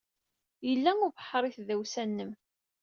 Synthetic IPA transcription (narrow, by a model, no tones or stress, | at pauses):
jəlːæŋʊɾvəħːəɾˤiθðæwsænːəm